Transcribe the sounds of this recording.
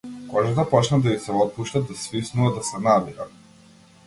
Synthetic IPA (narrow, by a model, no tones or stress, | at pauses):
kɔʒat̪apɔt͡ʃnad̪aisɛɔt̪̚puʃt̪ad̪asvisnuvad̪asɛnabiɾa